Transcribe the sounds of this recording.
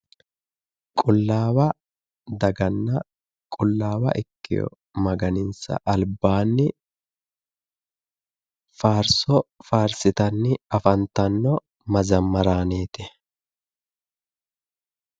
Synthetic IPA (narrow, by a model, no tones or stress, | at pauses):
kʼʊlːaːwɐ | d̪ɐɡɐnːɐ | kʼʊlːaːwɐ̰ʔɪkːɪ̰jɔ̰ | mɐɡɐnɪnsɐ̰ʔɐlbːaːnːɪ | faːɾsɔfaːɾsɪt̪ɐnːɪɐfɐnt̪ɐnːɔ | mɐzɐmːɐɾaːneːt̪ɛ